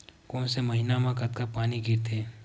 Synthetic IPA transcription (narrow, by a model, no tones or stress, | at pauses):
kɔːnseməɦɪnamãkət̪kapaːniɡʱɪɾt̪ʰeː